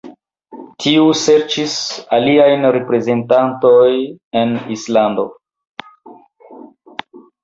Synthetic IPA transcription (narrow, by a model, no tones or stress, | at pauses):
tʰiuse̞ɾt͡ʃisaliajnɾe̞pɾe̞ze̞ntantoje̞nislando̞